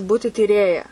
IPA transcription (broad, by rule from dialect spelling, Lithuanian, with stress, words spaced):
ˈbuːtʲɪ tʲiːˈrʲeːjɛ